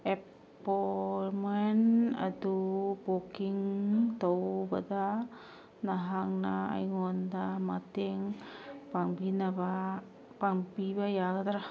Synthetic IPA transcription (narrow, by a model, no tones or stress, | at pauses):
e | ɔɾmena̰d̪ubɔkiŋt̪ɔwbad̪a | naɦaŋnaa̰jŋɔnd̪amat̪eŋbaŋbinaba | baŋbibajaɡad̪aɾa